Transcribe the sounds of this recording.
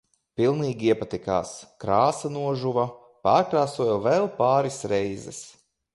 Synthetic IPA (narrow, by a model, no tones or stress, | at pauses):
pilˠniːɡʲiɛpat̪ika̰ːskɾaːsanuɔʒuva | paːɾkɾaːsuɔjɛvɛlˠpaːɾisɾɛjzɛ̰s